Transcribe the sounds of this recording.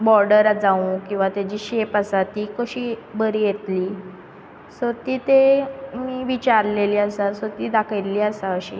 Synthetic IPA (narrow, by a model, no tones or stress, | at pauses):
bɔɾɖəɾad͡zaũkĩw̃ʋat̪jad͡ʑiːɕepasat̪iːkəɕiːbəɾiːjet̪liː | sot̪iːt̪emiːʋit͡ɕaɾleliːasasot̪iːd̪akʰəjliːasaəɕḭː